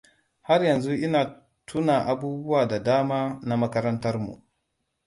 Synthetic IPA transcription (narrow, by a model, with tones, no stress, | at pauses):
ha˦rjɐ˨nzu˦ʔɪ˦naː˨ | tʰu˦na˨ʔa˨buː˦bu˦waː˨da˨daː˦maː˦na˦mɐ˦kɐ˦ɾɐ˦ntɐ˦rmṵ˨ʔ